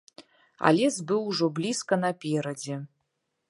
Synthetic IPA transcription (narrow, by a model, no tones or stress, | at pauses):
a̰lʲezbɨluʐoblʲiskɐnapʲeɾɐde